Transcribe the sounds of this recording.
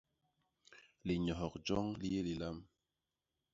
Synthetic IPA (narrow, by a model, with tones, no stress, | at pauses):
li˨ɲɔ˨ɦɔ˨k̚d͡ʒɔ˦ŋli˦je˦li˨la˦m